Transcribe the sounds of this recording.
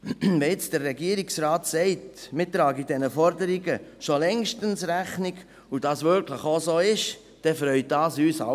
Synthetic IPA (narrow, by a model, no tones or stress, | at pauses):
vɛɪt͡sd̥ərːɛɡiəɾiksrɑːtsɛɪtmɪtːɾɑːɡid̥ɛnəfɔɾdəɾiɡəʃolɛŋʃtənsɾæχniɡ | ud̥ɑːsvʏɾkʰləχosoːɪʃ | d̥ɛfɾœʏt̚d̥ɑːsyːsa̰